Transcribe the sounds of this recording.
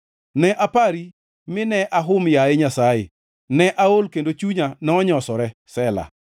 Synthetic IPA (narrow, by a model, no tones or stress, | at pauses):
nɛʔapaɾi | mɪnɛʔaɦʊmjaeɲasajḛ | nɛʔaolkendot͡ʃuɲanɛɔɲɔsɔɾɛsɛla̰